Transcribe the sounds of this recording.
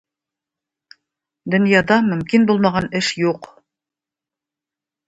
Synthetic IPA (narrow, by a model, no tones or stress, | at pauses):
d̪ɵ̆njɑd̪ɑmɵ̆mkinbulˠmɑʁɑnɘʃjuq